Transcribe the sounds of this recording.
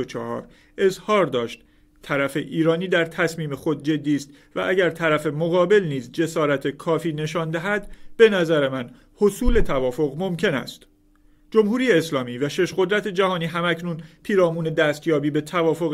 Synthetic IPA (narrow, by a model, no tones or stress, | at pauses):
ot͡ʃʰɒːhɒ̰ːɾ | ʔe̞zhɒːɾd̪ɒːʃt̪ | t̪ʰæɾæfe̞ʔiːɾɒːniːd̪æɾt̪ʰæsmiːme̞xo̞d̪̚d͡ʒe̞d̪ːiːst̪ | væ̰ʔæɟæɾt̪ʰæɾæfe̞moɣɒːbe̞lniːzd͡ʒe̞sɒːɾæt̪ʰekʰɒːfiːne̞ʃɒːnd̪æɦæd̪b̥e̞næzæɾe̞mæn | ho̞suːle̞t̪ʰævɒːfo̞ɣmo̞mcʰe̞næ̰st̪ | d͡ʒo̞mhuːɾiːjeːslɒːmiːvæʃe̞ʃɢo̞d̪ɾæt̪ʰe̞d͡ʒæhɒːniːɦæmæcʰnuːnpʰiːɾɒːmuːne̞d̪æːst̪jɒːbiːbe̞t̪ʰævɒːfo̞ɣ